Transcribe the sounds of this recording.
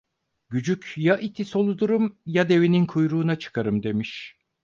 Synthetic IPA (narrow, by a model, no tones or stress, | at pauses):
ɟyd͡ʒycʰjaʔit̪ʰiso̞lˠud̪uɾumjad̪e̞vininkʰujɾuːnat͡ʃʰɯ̥kʰaɾɯmd̪e̞miʃ